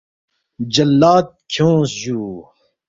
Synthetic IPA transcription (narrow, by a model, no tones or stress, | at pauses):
d͡ʑɐlːaːt̪̚kʰjõːsjuː